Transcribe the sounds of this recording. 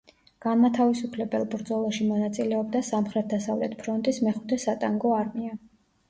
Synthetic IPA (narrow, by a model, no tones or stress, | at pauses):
ɡ̥anmat̪ʰavisupʰlɛbɛlˠbɾd̪zɔlˠaʃimɔnat̪sʼilɛɔb̚d̪asamχɾɛt̪̚d̪asavlɛ̰t̪ʰpʰɾɔnt̪ʼismɛχu̥t̪ʰɛsat̪ʼaŋɡɔaɾmia